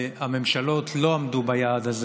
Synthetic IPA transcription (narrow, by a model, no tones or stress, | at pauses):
ame̞mʃalo̞tʰlo̞amd̪ubajaːd̪az